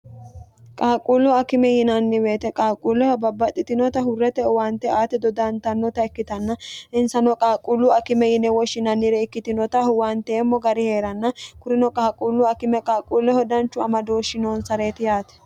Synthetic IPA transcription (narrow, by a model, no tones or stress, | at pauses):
kʼaːkʼulːʊɐkɪmɛjɪnɐnːɪwe̞ːt̪ɛkʼaːkʼːulːɛhɔbɐbːɐt̪ʼːɪt̪ɪnɔt̪ɐɦʊrːɛt̪ɛwaːnt̪ːɛaːt̪ɛd̪ɔd̪ɐnt̪ɐnːɔt̪ɐɪkːɪt̪ɐnːɐʔɪnsɐnɔkʼaːkʼulːʊɐkɪmɛjɪnɛwɔʃːɪnɐnːɪɾɛɪkːɪt̪ɪnɔt̪ɐhwaːnt̪ɛːmːɔɡɐɾɪhe̞ːɾɐnːɐkʊɾɪnɔkʼaːkʼuːlːʊɐkɪmɛkʼaːkʼːuːlːɛhɔd̪ɐnt͡ʃːʊɐmɐd̪o̞ːʃːɪnoːnsɐɾe̞ːt̪ɪjaːt̪ɛ̥